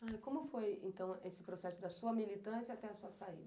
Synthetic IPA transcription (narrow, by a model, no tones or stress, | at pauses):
ajkõmʊfojḛ̃nt̪ɐ̃w̃esɪ̥pɾosɛsʊd̪ɐsuɐmilit̪ɐ̃sɪɐat̪ɛɐsuɐsaḭd̪ɐ